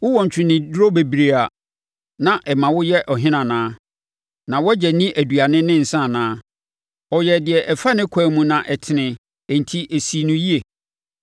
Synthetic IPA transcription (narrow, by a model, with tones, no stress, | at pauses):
wʊ˦wɔ̃˨ɲ˨t͡ɕʰᶣɪ̃˨nɪ̃˨dɾo˦be˨bi˨ɾe˨a˨ | nã˨ʔɛ˨mã˨wʊ˦jɛ˦ʔɔ˨ɦɪ̃˦nã˨nãː˦ | nã˨wɔ˦d͡ʑɛ˨nĩ˦ʔæ˨du˨a˨nɪ̃˦nːɪ̃˦n̩˨sã˦˨nãː˦ | ɔ˨jɛ˨dɪ˨ɛ˨ʔɛ˨fa˦nɪ̃˦kʰɔ˦˨mũ˦nã˨ʔɛ˨tʰɪ˨nɪ̃˨ | n̩˨tʰi˦ʔe˨si˦˨nũ˦ji˦e˨